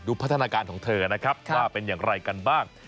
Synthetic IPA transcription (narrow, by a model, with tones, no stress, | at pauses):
duː˧pʰa˦˥t̪ʰːnaː˧kaː˧nkʰɔː˩˦ŋt̪ʰɤː˧na˦˥kʰɾa˦˥p̚waː˥˩pe˧njaː˨˩ŋɾa˧jka˧nbaː˥˩ŋ